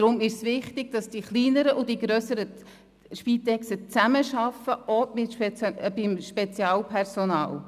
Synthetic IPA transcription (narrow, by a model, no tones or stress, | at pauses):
ɾʊmɪʃsʋɪχtɪɡ̥̚d̥ɑsd̥iχliːnəɾəʔʊd̥iɡɾøːsəɾə | ʃpiːt̪ɛksət͡sæməʃɑfːəʔoɪtb̥ɪmʃpɛt͡sjɑːlpʰɛɾsonɑ̰ːl